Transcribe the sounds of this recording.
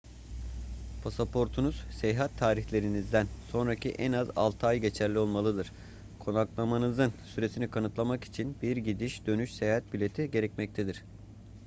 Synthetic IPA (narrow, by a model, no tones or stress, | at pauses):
pʰasapʰo̞ɾt̪ʰunuz̥sejɦat̪ʰːaːɾiçlʲe̞ɾinizd̪ænso̞nɾacʰiʔɛnaza̰lˠt̪ʰajɟe̞t͡ʃʰæɾlʲio̞lˠmalˠɯd̪ɯɾ̥ | kʰo̞naklˠamanɯzɯnsyɾe̞sinikʰanɯt̪lˠamaki̥t͡ʃʰinbiɾɟid̪iʃd̪̥ø̞nyʃsejhat̪̚bylʲe̞t̪ʰiɟe̞ɾɛc̚mɛc̚t̪ʰed̪iɾ̝̥